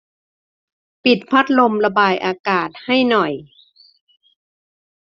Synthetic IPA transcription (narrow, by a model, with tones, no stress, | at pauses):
pi˨˩t̪̚pʰa˦˥t̪̚lo˧mla˧baː˧jʔaː˧kaː˨˩t̪̚ha˥˩jnɔ˨˩j